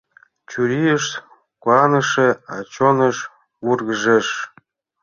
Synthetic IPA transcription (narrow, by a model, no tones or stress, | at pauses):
t͡ɕuɾiəʃ | kɑnə̆ʃeɑ̰t͡ɕonə̆ʃ | βurɣəʒeʃ